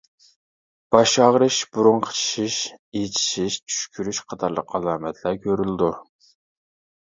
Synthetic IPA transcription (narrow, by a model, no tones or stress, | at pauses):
b̥ɑʃɑʁɾɨʃbuɾuɴqʰə̥t͡ʃʰi̥ʃiʃet͡ʃʰi̥ʃiʃt͡ʃʰy̥ʃkʲʰyɾyʃqʰɑt̪ʰɑɾlˠəqɑlˠɑːmɛt̪ʰlˠɑɾkʲʰøɾylɪd̪u